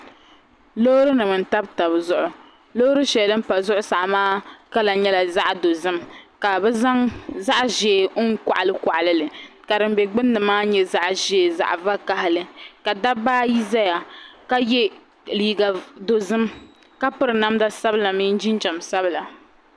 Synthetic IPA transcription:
lo˦ɾɨ˦nɨ˨mɨ˨n̩˨ta˦bta˨bzʊ˦ʔʊ˨ | lo˦ɾɨ˦ʃɛ˨dɨ˦m̩˦pa˨zʊ˦ʔʊ˦sa˨ʔmaː˦ka˦la˨ɲɛ˦la˨za˦ʔdo˨zɨ˦mka˨bɛ˦a˦ŋza˦ʔʒeː˨˦ŋ˦ka̰˨ʔa˨lɨ˦kɔ˨ʔa˨lɨ˦lɨ˨ka˨dɨ˨m˦bɛ˨ɡ͡bɨ˦nːɨ˨maː˦ɲɛ˦za˦ʔʒeː˨za̰˨ʔva˦ka˦hɪ˦lɨ˨ka˨da˦baː˦ji˦za˦ja˨ka˦jɛ˦ | liː˨ɡa˨do˨zɨ˦m | ka˦pɨ˦ɾɨ˨na˦mda˦sa˦bɨ˦la˨miː˦n̩˦d͡ʒi˦n˦d͡ʒa˨msa˦bɨ˦˨la˨

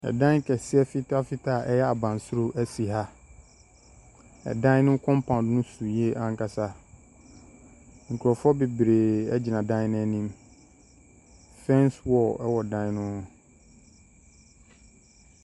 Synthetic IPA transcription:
ɛ̰˨dã˦n˦kʰɛ˨sɪ˦ɛ˦fɪ˦tʰa˦fɪ˦tʰa˦˨ʔɛ˦jɛ˦a˨bã˨n˨sʊ˦ɾo˦ʔæ˦si˨ɦa˦ | ɛ̰˨dã˦n˦nʊ̃˦kʰɔ̃˦m˦pʰã˨n˨˦nʊ̃˦su˨je˦ʔã˦ŋ˦ka˦sa˦ | ŋ̩˨kʰu˨ɾɔ˨fɔ˦be˨bɾe˨ɛ˦d͡ʑi˨nã˨dã˦nɛ̃˦nĩ˦m | fɛ̃˦nswɔ˨ɛ˦wɔ˨dã˦n˦nʊ̃˦˨

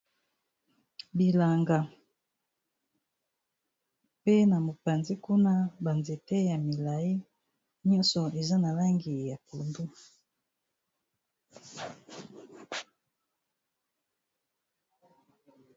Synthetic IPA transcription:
bi˨la˨ŋɡa˨ | pe˦na˨mo˨pa˨nzi˦ku˦na˦ba˨nze˨te˦ja˨mi˨la˨i˦ | ɲɔ̃˦nsɔ˨e˨za˦na˨la˦ŋɡi˨ja˨ku˨ndu˦

